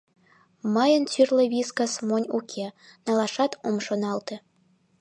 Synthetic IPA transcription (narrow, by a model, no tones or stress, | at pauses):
mɑjə̆nt͡syrlĕβʲiskɑsmonʲukʲʰenɑlˠɑʃɑt̪omʃonɑlˠt̪ĕ